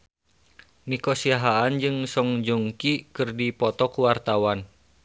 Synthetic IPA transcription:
nikosiaɦaand͡ʒɨŋsɔŋd͡ʒuŋkikɨrdipɔt̪ɔkuwart̪awan

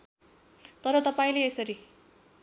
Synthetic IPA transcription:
t̪ʌɾʌt̪ʌpaĩleːsʌɾi

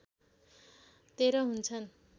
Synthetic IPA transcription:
t̪eɾoɦunt͡sʰʌn

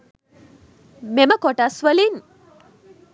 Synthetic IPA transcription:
meməkɔʈasʋəlin

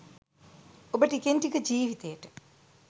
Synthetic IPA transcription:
obəʈikenʈikəd͡ʑiːʋit̪ejəʈə̥

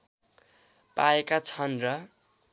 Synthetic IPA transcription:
paekat͡sʰʌnrʌ

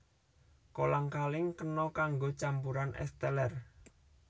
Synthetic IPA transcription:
kolaŋkalɪŋkənɔkaŋɡot͡ʃampuɾanʔɛ̰st̪ɛlɛr

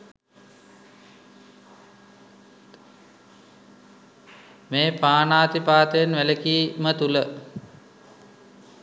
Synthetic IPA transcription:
meːpaːnaːt̪ipaːt̪əjenʋæləkiːmət̪ulə

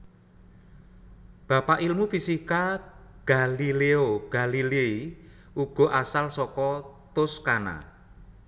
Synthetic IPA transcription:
b̥ä̤paʔilmufisikaɡ̥a̤lileoɡ̥a̤lilei | uɡ̥ɔ̤ʔasalsɔkɔt̪ʊskana̰

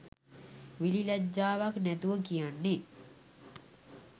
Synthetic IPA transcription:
ʋililɛd͡ʒːaːʋaknæt̪uʋəkijanːe

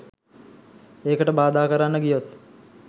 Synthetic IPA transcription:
eːkəʈəbaːd̪aːkəɾanːəɡijot̪

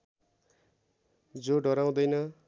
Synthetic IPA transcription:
d͡zoɖʌɾaw̃d̪ʌjnʌ

